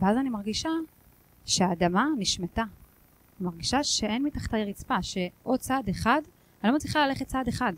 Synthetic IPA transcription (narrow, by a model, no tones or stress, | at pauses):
veazanimaʁɡiʃa | ʃeaːdamaniʃmeta | imaʁɡiʃaʃe̞e̞nmitaχt̪ajeʁit͡spaʃe̞ʔo̞d̚t͡sadeχad | alomat͡sliχalale̞χet̚t͡saːdeχad